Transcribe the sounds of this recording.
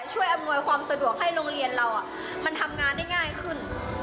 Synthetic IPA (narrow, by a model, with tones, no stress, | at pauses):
t͡ɕʰu˥˩əjʔa˧mnu˧əjkʰwaː˧msa˧du˨˩ək̚ha˥˩jɾoː˧ŋɾi˧ənɾa˧wʔa˨˩ʔ | ma˧nt̪ʰa˧mŋaː˧nːa˥˩jŋaː˥˩jkʰɯ˥˩n